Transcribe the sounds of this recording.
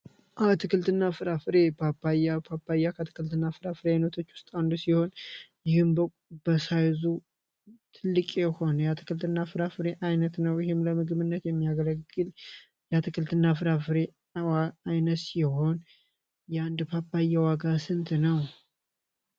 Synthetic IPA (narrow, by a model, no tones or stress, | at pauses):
ʔat̪ʰɨkɨlt̪ʰɨnːafɨɾafɨɾe̞pʰapːajapʰapʰːajːakʰət̪ʰɨ̥kɨlt̪ʰɨnːafɨɾafɨɾajnət̪ʰo̞t͡ʃːwʊ̥st̪ʼand̪usiho̞njɪhɨmbəkʷʼbəsajzu | t̪ʰɨlːɨkʼeho̞nəjat̪ʰɨ̥kʰɨlt̪ʰɨnːafɨɾafɨɾe̞ʔajnət̪nəwjɪhɪmləmɨɡɨβɨnːət̪jɛmːijaɡələɡːɨl | jat̪ʰɨkʰɨlt̪ʰɨnːaf̬ɨɾafɨɾe̞ | waajnət̪siɪho̞n | jɛand̪pʰapʰːajːawaɡasɨnt̪nəw